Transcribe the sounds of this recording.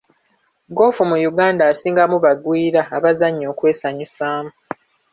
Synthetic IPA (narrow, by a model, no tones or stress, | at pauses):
ɡo̞ːfumujuɡaːndaːsiːŋɡamuβaɡwiːɾaːβazaɲːo̞ːkwe̞ːsaɲisaːmu